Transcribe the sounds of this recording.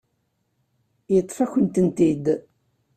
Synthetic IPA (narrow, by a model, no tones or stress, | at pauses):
jət̪ˤːfæçənt̪ənt̪id̪